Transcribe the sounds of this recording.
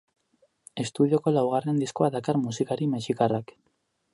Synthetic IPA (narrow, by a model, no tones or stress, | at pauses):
e̞st̪uð̞io̞ko̞lawɣare̞nd̪isko̞aðakaɾmusikaɾimeʃikarak